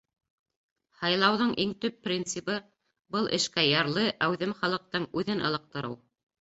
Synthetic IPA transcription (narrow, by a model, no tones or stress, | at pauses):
hɑjlˠɑwðɤɴʔiŋt̪ɵpːrʲint̪sɨpɤ | bɤlˠʔɘ̰̆ʃkæjɑɾlˠɤʔæwðɘmχɑlˠɤ̆q̚t̪ɤɴʉðɘnʔɤ̆lˠɤ̆q̚t̪ɤ̆ɾɤw